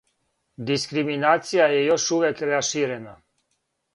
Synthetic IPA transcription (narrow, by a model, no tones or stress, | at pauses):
d̪iskɾiminat̪sijajɛjoʃuvɛkɾɛaʃiɾena